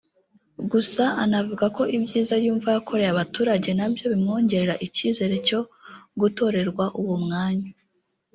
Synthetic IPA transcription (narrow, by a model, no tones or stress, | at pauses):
ɡusaanavuɡako̞ʔibɟiːzajuːɱvajakʰo̞ɾe̞ɾaβatuːɾaɟe̞nabjo̞βimŋo̞ːɲɟe̞ɾe̞ɾaʔiciːze̞ɾe̞co̞ɡuto̞ɾe̞ɾɡwaʔuwumŋaːɲa